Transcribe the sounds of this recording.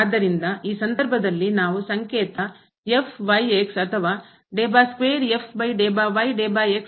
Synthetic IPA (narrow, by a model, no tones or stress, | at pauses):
d̪ːɐɾind̪ɐiːsɐnd̪ɐɾbʱɐd̪ɐlːinaːʋusɐŋkeːt̪ɐ | epʰʋɐjeksɐt̪ʰɐʋaː | ɖeːbaːskʋeːɾepʰbɐjɖeːbaːʋɐjɖeːbaːeks